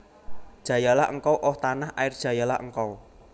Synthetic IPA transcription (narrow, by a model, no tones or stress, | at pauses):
d̥ʒ̥ä̤jalaʔə̰ŋkɔwʔɔht̪anahʔaɪrd̥ʒ̥ä̤jala̰ʔə̰ŋkɔw